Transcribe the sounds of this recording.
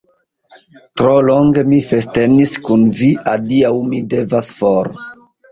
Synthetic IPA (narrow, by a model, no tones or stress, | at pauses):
tɾoloŋɡemifesteniskunviʔadiawmidevasfoɾ